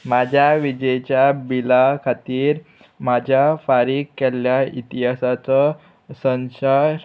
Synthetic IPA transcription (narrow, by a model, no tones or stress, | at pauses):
mad͡ʑʱjaʋid͡ʑet͡ɕjabilakʰat̪iːɾ | mad͡ʑʱjafaɾiːkːɛljait̪iɦasat͡sɔ | sə̃nsa